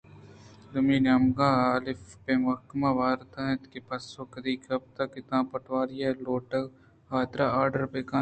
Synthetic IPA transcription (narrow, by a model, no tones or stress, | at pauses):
d̪ʊmiːnaːmɡãːaːlɪfpemɐkmãːʋaːɾt̪anet̪kepɐsoːkɐd̪iːkɐb̚t̪ɐkɪt̪ãːpɐʈʋaːɾijaloːʈə | haːt̪ɾaaːɾɖəɾpeːkãː